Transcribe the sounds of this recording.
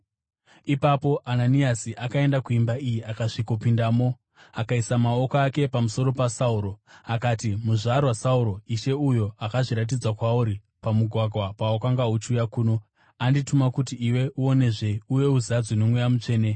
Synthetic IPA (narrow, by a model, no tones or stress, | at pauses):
ipapo̞ʔananiasiʔakae̞ndakuimbaijiakaʐiko̞pindamo̞ | akaisamao̞koake̞pamuso̞ɾo̞pasauɾo̞akaːtimuʐaɾwasauɾo̞iʃe̞ujo̞akaʐiɾat̬id͡zwakwauɾi | pamuɡʱwaɡʱwapawakaŋɡaut͡ʃujakuːno̞ | anditumakutiiwe̞ʔuo̞ne̞ʐe̞uje̞uziad͡zinomwujamut͡ʂe̞ːne